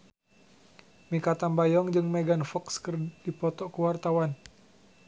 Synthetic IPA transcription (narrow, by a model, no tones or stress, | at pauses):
mikat̪ambajɔŋd͡ʒɨŋmeɡanfɔkskərdipɔt̪ɔkəwart̪awan